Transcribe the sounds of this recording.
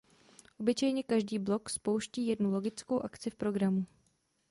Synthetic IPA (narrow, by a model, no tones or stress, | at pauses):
ʔo̞bɪt͡ʃɛjɲɛkaʒdiːblo̞kspowʃciːjɛdnulo̞ɡɪt͡skowʔakt͡sɪfpɾo̞ɡɾamu